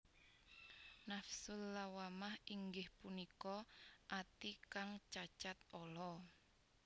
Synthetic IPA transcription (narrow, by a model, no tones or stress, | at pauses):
nafsʊlːawamahiŋɡɪhpunikɔʔat̪ikaŋt͡ʃat͡ʃat̪̚ɔlɔ